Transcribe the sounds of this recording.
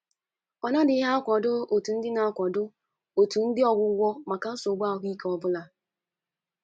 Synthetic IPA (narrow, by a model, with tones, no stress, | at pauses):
ɔ˨na˦dɪ˨˦ɦa˦kʷɔ˨dʊ˦o˨tu˨n̩˦dɪ˦na˨a˦˨kʷɔ˨dʊ˦ | o˨tu˨n̩˦dɪ˦ɔ˦ɡʷʊ˦ɡʷɔ˦ma˨ka˨n̩˦so˨ɡ͡ba˦˨ɦʊ˦i˦ke˦ɔ˦bʊ˦la˨